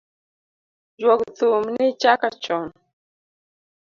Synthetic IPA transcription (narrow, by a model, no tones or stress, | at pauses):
d͡ʒwɔkt̪umnit͡ʃakat͡ʃɔn